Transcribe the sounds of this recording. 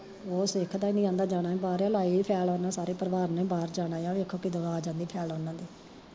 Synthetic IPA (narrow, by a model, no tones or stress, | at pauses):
oːsɪkʰd̪aːɪnĩːãːnd̪aːd͡ʒaːɽ̃ãːbaːɾaːlaːiipʰɛːlɔːnãːsaːɾeːpəɾʋaːɾnẽːbaːɾd͡ʒaːɽaːjãːʋeːkʰoːkɪd̪ʊɡaːd͡ʒãːnd̪iːpʰɛːlɔːnãːd̪iː